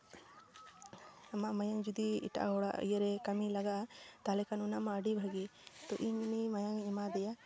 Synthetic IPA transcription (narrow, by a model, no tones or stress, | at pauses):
ɐmamɐjɐŋd͡ʒud̪iḭʈa̰ɦoɽa̰ʔjɐɾekɐmilɐɡat̪aːlekanunamaɖibʱɐɡit̪oʔiɲinimɐjaŋimad̪ɛja